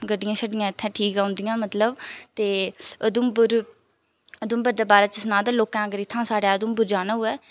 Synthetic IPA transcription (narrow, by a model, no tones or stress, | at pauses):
ɡəɖɪjãːsəɖɪjãːɪt̪ʰːɛ̃ːʈʰiːkaːʊ̃nd̪ɪjãːmət̪ləbt̪eːəd̪ʊmbʊɾ | əd̪ʊmbəɾd̪aːbaːɾaːt͡ʃəsnãːd̪aːloːkãːɡəɾɪt̪ʰːãːsaːɽeaːəd̪ʊmbʊɾd͡ʒaːnaːɦʊɛː